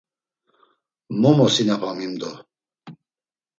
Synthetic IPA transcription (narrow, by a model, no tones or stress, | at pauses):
mɔmɔsinapʰamimd̪ɔ